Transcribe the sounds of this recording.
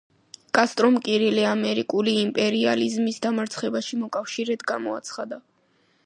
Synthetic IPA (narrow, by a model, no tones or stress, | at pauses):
kʼast̪ʼɾɔmkʼiɾiliamɛɾikʼuliːmpʼɛɾia̰lizmisd̪amaɾt̪sʰχɛbaʃimɔkʼafʃiɾɛd̪ɡamɔa̰t̪sʰχad̪a